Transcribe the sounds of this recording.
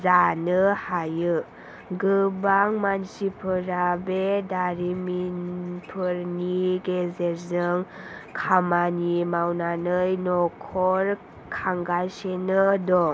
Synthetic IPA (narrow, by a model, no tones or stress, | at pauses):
zanɯhajɯ | ɡɯbaŋmansipʰɯɾabedaɾiminpʰɯɾniɡezeɾzɯŋkʰamanimawnanɯjnɔkʰɔɾ | kʰaŋɡajsenɯdɔŋ